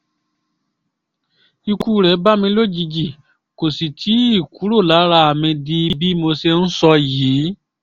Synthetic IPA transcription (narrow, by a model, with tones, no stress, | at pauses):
i˧ku˦ɾɛ˨˦ba˦mĩ˧˦lo˦˨d͡ʒi˧d͡ʒi˨ | ko˨si˨tʰi˨˦i˦˨ku˨˦ɾo˦˨la˨˦ɾa˧a˨mĩ˧di˧i˧bi˦mo˧se˧n̩˦sɔ˧ji˨˦